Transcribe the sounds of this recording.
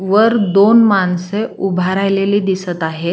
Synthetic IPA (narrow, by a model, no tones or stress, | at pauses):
ʋəɾd̪onmanseubʱaɾajleliːd̪isət̪aɦe